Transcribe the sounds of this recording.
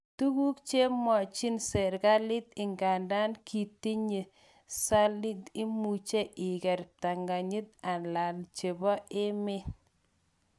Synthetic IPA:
tu˦ɡu˦k̚t͡ʃe˦mɔ˨t͡ʃi˦nsɛ˨ɾɡa˦lɪ˦tɪ˨ŋɡa˨nda˦nkʰi˨ti˦ɲe˨ | sa˦lɪ˦tɪ˦mu˨t͡ʃe˦ʔɪ˨ɡɛ˨ɾta˨ŋɡa˨ɲi˦t̚a˨nla˨lt͡ʃe˨bɔ˦ʔɪ˦mɪ˦

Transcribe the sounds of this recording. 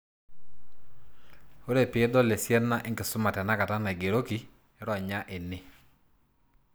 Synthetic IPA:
o˦ɾe˦˨pɪ˨e˦dɔ˦le˨sjɛ˦na˦ʔɪ˦ŋkɪ˨sʊ˦ma˨tɛ˨na˦ka˨ta˦na˨ɡe˨ɾo˦ki˨˦ | ɾɔ˨ɲa˦ʔɪ˨nɪ˦

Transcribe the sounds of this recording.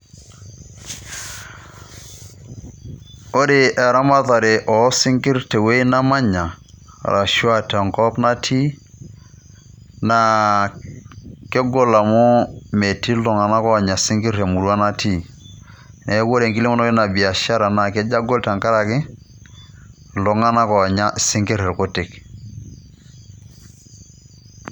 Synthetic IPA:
o˦ɾe˨ʔɛ˨ɾa˦ma˦ta˨ɾe˨ʔɔ˨˦si˦ŋki˦ɾtɛ˨we˦i˦na˦ma˦ɲa̰˨ | ɾʔa˨ʃu˦a˨tɛ˨ŋkɔ˦pna˦tʰi˦ | na˨ | ke˦ɡo˦la˨mɔ˦me˨ti˦lɔ˨ŋa˨na˦kɔ˦˨ɲa˨si˦ŋki˦ɾe˨mu˨ɾu˦a˦na˦tʰi˦ | nʔe˨˦ko˦ɾe˨ŋki˦li˦mɔ˦nɔ˦ki˦na˨bi˨a˨ʃa˦ɾa˨na˨ke˦d͡ʒa˦ɡo˦lta˨ŋka˦ɾa˨kɪ˦ | lo˨ŋa˦na˦kɔ˨ɲa˦si˦ŋki˦ɾe˨ɾko˦ti˨k

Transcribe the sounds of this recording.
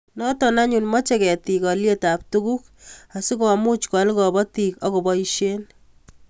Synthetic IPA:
nɔ˦tɔna˦ɲunmɔ˦t͡ʃekɛ˨ti˨kɔ˨lje˦ta˨p̚tukuk̚ | a˨sɪ˦kɔ˨mu˦t͡ʃkwalkɔ˨bɔ˦ti˨kɔ˦ko˨bɔiʃe˦n

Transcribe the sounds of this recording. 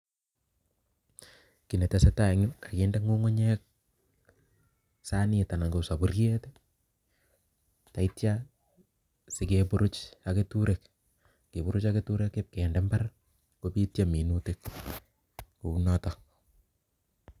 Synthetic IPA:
ki˨ne˨tase˦ta˨ŋu˦ka˨kinde˦ŋɡu˦ŋo˦ɲek̚ | sa˦nita˨na˨ŋɡo˨sa˨bu˨rje˦te | ta˨i˦tja | se˨kepu˦ɾu˦t͡ʃake˦tuɾek | ke˨bu˦ɾʊ˦t͡ʃaketu˦ɾekːep̚ke˨ndɛ˦mba˦r | kopi˦tjami˨nutek | ku˨u˦nɔtɔ

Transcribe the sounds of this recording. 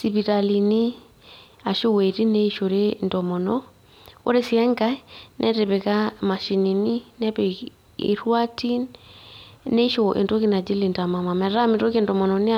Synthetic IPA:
si˨pi˨ɾa˨li˨ni˦ | a˨ʃo˦we˨ɾi˦ne˦ʃo˨ɾe˦ndɔ˨mɔ˨nɔ | o̰˦ɾe˦siɛ˦ŋɡa˦nʔɛ˦ɾe˨βe˨ka˦ma˨ʃi˨ni˨ni˦nɛ˦pe˨ | ḛ˨ɾwa˦tʰi˦n | ne˦ʃo˨ʔḛ˨nto˦ki˦na˨d͡ʒi˦li˨nta˨ma˨ma˨mɛ˨ɾa˦me˨to˦ke˨ndɔmɔ˨nɔne˦

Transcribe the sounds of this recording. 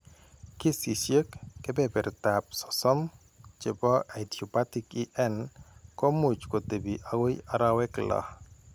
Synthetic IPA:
kɪ˦si˨ʃje˦kːɛ˦bɛ˦bɛ˨ɾta˨p̚sɔ̥˨sɔ˦m | t͡ʃe˨bɔ˦ʔa˨dio˨pa˦ti˦ki˦ʔɛ˦nkɔ˦mu˨t͡ʃko˨t̪e˨bi˨ʔa˨wo˦ja˨˦ɾa˦wɛ˦klɔ̰˨

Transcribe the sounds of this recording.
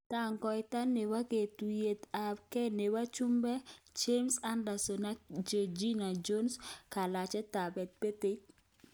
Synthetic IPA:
ta˦ŋkɔ˨jta˦ne˨wa˦ke˨tu˨je˨t̪a˨bkɛ˦ne˨wa˦t͡ʃu˦mbɛ˦d͡ʒe˦msa˦nda˨sɔ˨na˦d͡ʒe˨d͡ʒi˦na˨d͡ʒo˦nska˨la˨t͡ʃɛ˦ta˨bɛ˨t̪̚pe˦te˦

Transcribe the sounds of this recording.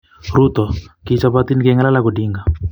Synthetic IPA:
ɾu˦t̪ɔ˨kit͡ʃapat̪i˦nkɛŋa˦la˦lako˨di˦ŋɡa˨

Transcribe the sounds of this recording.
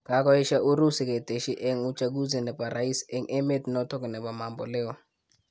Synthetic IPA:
ka˨˦k̬ɔ˦i˦ʃa˦ʔu˦ɾu˦si˨kɛ˨te˨ʃi˦ʔɛ˦ŋu˦t͡ʃa˦ɡ̬u˦zɛ˨nɛ˨pa˨ɾa˨i˦sɛ˦ŋʔɛ˦me˦ti˨nɔ˦tɔ˦k̬ɛ˨nɛ˨ba˨ma˨mbɔ̰˨lɛ˦ɔ˨

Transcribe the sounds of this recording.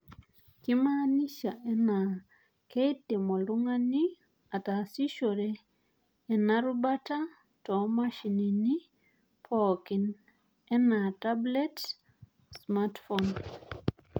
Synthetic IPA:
kɪ˦ma˦ni˦ʃa˨ʔɛ˦na˨ | ke˦tɪ˨mɔ˨lʊ˦ŋa˦ni˦ | a˨ta˨si˦ʃo˨ɾe˨ | ɛ˨naɾu˦ba˦ta˦ | tɔ˨ma˦ʃi˨ni˨ni˦ | pʰɔki˨n | ɛ˦na˨ta˦blɛ˦t | sma˦tfɔn

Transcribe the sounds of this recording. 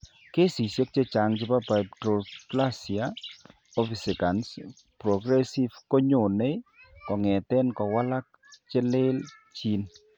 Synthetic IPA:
ke˦si˨sjo˦k̚t͡ʃe˦t͡ʃa˨ŋd͡ʒɪ˦pa˦pa˨ptɾo˨pla˦sia | o˦fi˨se˨ka˨ns | pɾɔ˨ɡɾɛ˦si˦vko˦ɲo˨ne˦kɔ˨ŋɛ˨tɛ˦nkɔ˨wa˦la˦k̚ | t͡ʃɛ˦le˦lt͡ʃi˦n

